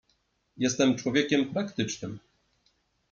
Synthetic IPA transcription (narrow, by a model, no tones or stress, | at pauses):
jɛst̪ɛmt͡ʂwɔvʲjekʲɛmpɾakt̪ɘt͡ʂnɘm